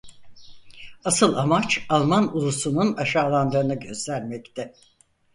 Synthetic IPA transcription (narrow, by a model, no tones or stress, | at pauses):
asɯlˠamat͡ʃalˠmanulˠusununaʃaːlˠand̪ɯɾɯnɯɟø̞zlʲæɾmɛct̪ʰɛ